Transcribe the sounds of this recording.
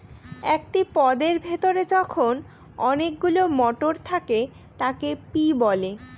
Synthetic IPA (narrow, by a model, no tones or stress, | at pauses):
ɛk̚ʈipɔd̪eɾbʱet̪oɾed͡ʑɔkʰon | ɔnek̚ɡulomɔʈoɾt̪ʰake | t̪akepibɔle